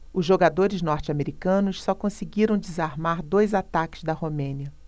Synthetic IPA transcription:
ʊzʒoɡad̪oɾɪznɔɾt͡ʃɪameɾikɐ̃nʊssɔkõsiɡiɾɐ̃w̃d͡ʒɪzaɾmaɾd̪ojzat̪akɪ̥zd̪ɐhomẽniɐ

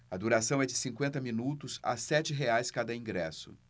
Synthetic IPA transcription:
ɐd̪uɾasɐ̃w̃ɛd͡ʒɪsĩŋkwẽnt̪ɐmĩnut̪ʊza̰sɛt͡ʃɪɦeajskad̪ɐĩŋɡɾɛsʊ̰

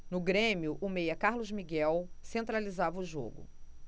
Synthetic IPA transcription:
nʊɡɾẽmiʊʔʊmejɐkaɾlʊzmiɡɛwsẽnt̪ɾalizavɐʊʒo̰ɡʊ̰

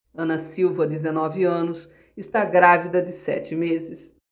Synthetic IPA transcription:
ɐ̃nɐsiwvɐd̪ezenɔvɪɐ̃nʊs | ɪst̪aɡɾavid̪ɐd̪ɪsɛ̰t͡ʃɪmezɪs

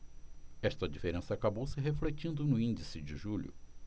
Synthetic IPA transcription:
ɛʃt̪ɐd͡ʒifeɾẽsɐakabowsɪɦeflet͡ʃĩnd̪ʊnʊĩnd͡ʒisɪd͡ʒɪʒuʎʊ̰

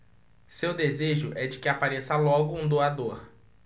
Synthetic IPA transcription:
sewd̪ezeʒʊʔɛd͡ʒɪkɪapaɾesɐlɔɡʊũd̪oad̪oɾ

